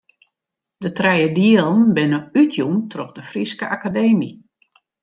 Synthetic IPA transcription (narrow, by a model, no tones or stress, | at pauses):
d̥ətrɛjədiəlˠənbɪnəytʰjumtrɔχdəfriskəʔakadeːmi